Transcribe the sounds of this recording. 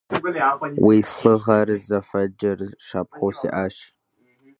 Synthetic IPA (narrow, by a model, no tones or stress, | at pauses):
wiːɬɨʁɐrɨzɐfɐd͡ʒɐrʃaːp̚ʰχowsḭːʔaːʃ